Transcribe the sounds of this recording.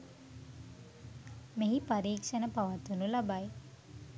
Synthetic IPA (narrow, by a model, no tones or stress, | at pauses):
meɦipaɾiːkʃənəpaʋat̪unulabaj